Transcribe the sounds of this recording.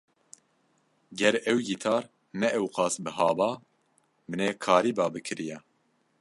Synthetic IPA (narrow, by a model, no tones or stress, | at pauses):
ɡɛɾɛwɡit̪ʰɑːɾ | nɛʔɛwqɑːsbɨɦɑːbɑː | mɨneːkʰɑːɾiːbɑːbɨkʰɨɾijɛ